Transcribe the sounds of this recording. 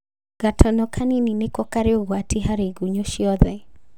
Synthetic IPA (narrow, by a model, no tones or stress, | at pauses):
ɡatʰɔnɔkʰanininekɔkaɾeoɣwatiɦaɾeɡuɲoʃiɔðɛ